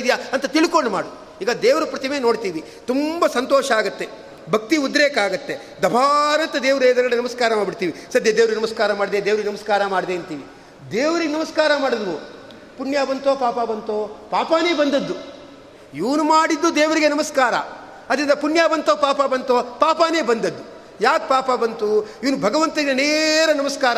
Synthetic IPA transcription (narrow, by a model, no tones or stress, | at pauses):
d̪ijaɐnt̪ɐt̪iɭikoɳɖumaːɽu | iːɡɐd̪eːʋɐɾupɾɐt̪imeːno̞ːɽt̪iːʋi | t̪umbɐsɐnt̪ɔːʃɐaːɡɐt̪ːe̞ | bʱɐk̚t̪iud̪ːɾeːkaːɡɐt̪ːe̞ | d̪ɐbʱaːɾɐnt̪ɐd̪eːʋɐɾeːd̪ɐɾɡɐɽenɐmɐskaːɾɐmaːbiɽt̪iːʋisɐd̪ʱjɐd̪eːʋɾɡenɐmɐskaːɾɐmaːɖid̪ed̪eːʋɾɡenɐmɐskaːɾɐmaːɽd̪eːɐnt̪iːʋi | d̪eːʋɐɾiɡnɐmɐskaːɾɐmaːɽɐd̪ɐʋu | punjaːbɐnt̪oːpaːpabɐnt̪oːpaːpaːne̞ːbɐnd̪ɐd̪ːu | iʋnumaːɽid̪ːud̪eːʋɐɾiɡenɐmɐskaːɾɐ̰ | ɐd̪ɐɾind̪ɐpunjaːbɐnt̪oːpaːpabɐnt̪oːpaːpaːne̞ːbɐnd̪ɐd̪ːu | jaːk̚paːpabɐnt̪uiʋnubʱɐɡɐʋɐnt̪ɐiɐneɾɐnɐmɐskaːɾɐ